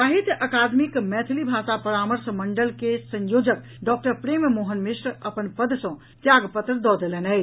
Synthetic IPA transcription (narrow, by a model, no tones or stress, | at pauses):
aɦit̪ʔəkad̪mikmɛt̪ʰilibʱasapəɾaməɾsməɳɖəlkesə̃jod͡ʒək̚ | ɖɔk̚ʈəɾpɾemmoɦənmisɾəpənpəd̪sə̃ | t̪jaɡpət̪ɾd̪ɔd̪elenɛj